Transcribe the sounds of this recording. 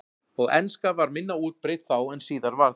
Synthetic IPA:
ɔɣɛ̰nskavaɾmɪnːauːt̪̚pɾɪt̪θawɛnsiːðaɾvaɾ

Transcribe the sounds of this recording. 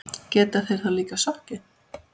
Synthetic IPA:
cɛːt̪aθejɾ̥θaliːkasɔhcɪ

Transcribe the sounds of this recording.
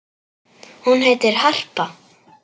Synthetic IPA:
hunheːjt̪ɪɾ̥har̥pa

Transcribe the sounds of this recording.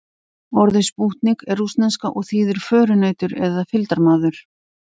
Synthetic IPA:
ɔɾðɪspuht̪nɪkɛrːust̪nɛnskaʔɔɣθiːðɪɾ̥fœːɾʏnaːjt̪ʏɾɛðafɪlt̪aɾmaːðʏɾ̥

